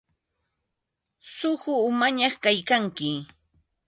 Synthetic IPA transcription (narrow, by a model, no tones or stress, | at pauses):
sʊɢʊːmaɲɑχkajkaŋkɪ